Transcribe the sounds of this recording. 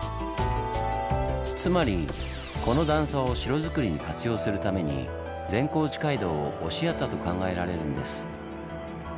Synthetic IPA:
t͡sɨmaɾʲi | ko̞no̞d̪ãɰ̃sao̞ɕiɾo̞zɨkɯ̟ɾʲiɲ̟ikat͡sɨjo̞ːsɨɾɯ̟t̪ame̞ɲ̟ḭ | d͡zẽ̞ŋko̞ːt͡ɕi̥kaid̪o̞ːʔoɕiat̪ːat̪o̞kãŋɡae̞ɾaɾe̞ɾɯ̟̃nd̪e̞̰sɨ̥

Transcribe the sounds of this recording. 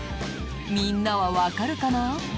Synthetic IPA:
minːaβaβakaɾɯkana

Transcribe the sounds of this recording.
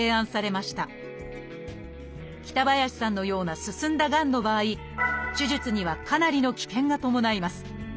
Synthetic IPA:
e̞ːãɰ̃saɾe̞maɕi̥t̪a | kʲi̥t̪abajaɕi̥sãnːo̞jo̞ːnasɨsɨ̃nd̪aɡãnːo̞baːi | ɕiʑit͡sɨɲ̟iβakanaɾʲino̞kʲi̥kẽ̞ŋɡat̪o̞mo̞naimasɨ̥

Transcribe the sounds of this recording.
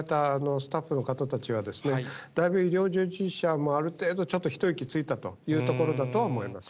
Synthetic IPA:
t̪aːno̞sɨ̥t̪aɸːɯ̟no̞kat̪at̪at͡ɕiβad̪e̞sɨne̞d̪̥aibɯ̟iɾʲo̞ːʑɨːʑiɕamo̞aɾɯ̟t̪e̞ːd̪o̞t͡ɕo̞t̪ːo̞çʲi̥t̪o̞ikʲit͡sɨit̪at̪o̞̰jɯ̟ːt̪o̞ko̞ɾo̞d̪at̪o̞βaomoimasɨ̥

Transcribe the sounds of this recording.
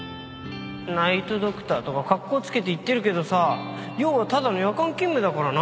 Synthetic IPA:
nait̪o̞d̪o̞kɯ̟̥t̪aːt̪o̞kakakːo̞ːt͡sɨ̥ke̞t̪e̞it̪ːe̞ɾɯ̟ke̞d̪o̞sa | jo̞ːβat̪ad̪anojakãŋkʲĩmbɯ̟d̪akaɾana

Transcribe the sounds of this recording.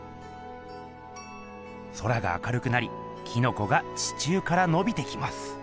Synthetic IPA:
so̞ɾaɡa̰ːkaɾɯ̟kɯ̟naɾʲi | kʲino̞ko̞ɡat͡ɕi̥t͡ɕɨːkaɾano̞bʲit̪e̞kʲimasɨ̥

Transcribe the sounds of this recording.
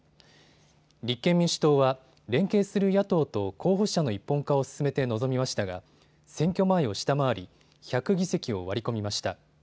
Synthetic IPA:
ɾʲikːẽ̞mːʲĩɕɨ̥t̪o̞ːβa | ɾẽ̞ŋke̞ːsɨɾɯ̟jat̪o̞ːt̪o̞kʰo̞ːɦo̞ɕano̞ipːõ̞ŋkao̞sɨ̥sɨme̞t̪e̞no̞zo̞mʲimaɕi̥t̪aɡa̰ | sẽ̞ŋkʲo̞maeo̞ɕi̥t̪amaβaɾʲi | çakɯ̟ɡʲise̞kʲio̞̰βaɾʲiko̞mʲimaɕi̥t̪a

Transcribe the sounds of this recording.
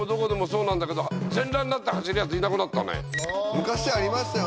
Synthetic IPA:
od̪o̞ko̞d̪e̞mo̞so̞ːnãnd̪ake̞d̪ozẽ̞nɾãnːat̪ːahaɕiɾɯjat͡sɨinakɯnat̪ːanḛmɯ̟kaɕid̪eaɾʲimasjo

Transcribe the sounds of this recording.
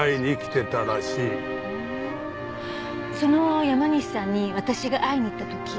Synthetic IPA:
iɲiːkʲi̥t̪e̞t̪aɾaɕiː | so̞nojamaɲ̟iɕi̥sãɲ̟ːiβat̪aɕiɡaʔaiɲ̟it̪ːat̪o̞kʲi

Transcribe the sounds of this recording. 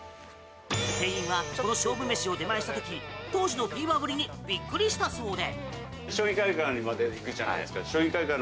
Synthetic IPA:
sẽ̞ĩɰ̃βako̞no̞ɕo̞ːbɯ̟me̞ɕio̞d̪e̞maeɕi̥t̪at̪o̞kʲit̪o̞ːʑino̞ɸʲiːβabɯɾʲiɲ̟ibʲikːɯ̟ɾʲiɕi̥t̪aso̞ːd̪e̞ | ɕoːĩkaikãimad̪ekasaɕoːĩŋkaikã

